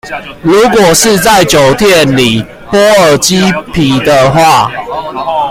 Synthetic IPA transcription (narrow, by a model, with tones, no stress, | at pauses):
lu˨˦kwɔ˨˩ʂɻ̩˥˧t͡sa˥˨ɪt͡ɕjo˨˩ʊt̪ʰjɛ˥˨nli˨˩ | pwɔ˦ə˨˩t͡ɕi˦˥pʰi˨˦d̪ə˧xwa˥˨